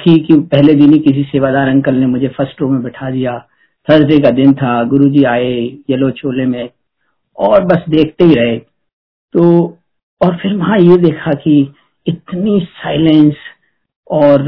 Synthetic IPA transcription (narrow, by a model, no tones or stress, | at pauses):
kʰikjũpɛɦled̪ɪnikɪs̬iseːʋaːd̪aːɾɐ̃ŋɡkɐlnemʊd͡ʒʱefɐɾsʈɾoːmẽbɪʈʰad̪ɪja | t̪ʰɐzɾekad̪ɪnt̪ʰaɡʊɾud͡ʒiaːejɐlot͡ʃʰoːlemẽ | ɔːɾbɐsd̪eːkʰt̪eɦiɾɐɦeː | t̪oː | ɔːɾfʰɪɾʋɐɦãjed̪eːkʰaki | ɪt̪nisaːɪlɛ̃ns | ɔːɾ